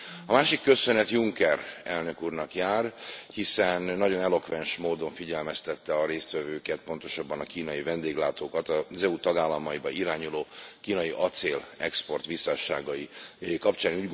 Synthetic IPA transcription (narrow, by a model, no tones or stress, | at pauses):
ɒmaːʃikːø̞sønɛt̪juŋkɛrɛlnø̞kuːrnɒkjaːrhisɛnːɒɟo̞nɛlo̞kʋɛnʃmoːd̪o̞ɱfiɟɛlmɛst̪ɛt̪ːɛɒɾeːst̪ʋɛvøːkɛt̪̚po̞nt̪o̞ʃɒbːɒnɒkiːnɒjivɛnd̪eːɡlaːt̪oːkɒt̪ɒzɛut̪ɒɡaːlːɒmɒibɒiɾaːɲuloːkiːnɒjiʔɒt̪seːlɛkspo̞rt̪ʋisːaʃa̰ːɡɒikɒpt͡ʃaːnuːɟɡ